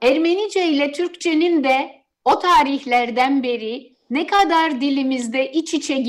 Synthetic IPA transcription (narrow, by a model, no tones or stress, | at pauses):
æɾmenid͡ʒejlʲɛt̪ʰyɾct͡ʃʰenind̪ɛ | ot̪ʰaːɾiçlʲæɾd̪ænbe̞ɾi | nɛkʰad̪aɾd̪ilʲimizd̪ɛʔit͡ʃit͡ʃʰɛɟ